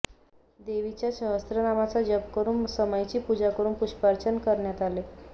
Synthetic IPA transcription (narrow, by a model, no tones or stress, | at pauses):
d̪eʋit͡ɕjaɕəɦəst̪ɾənamat͡sad͡ʑəpkəɾuːmsəməjt͡ɕiːpud͡ʑakəɾuːnpuɕpaɾt͡ɕənkəɾɳjat̪ale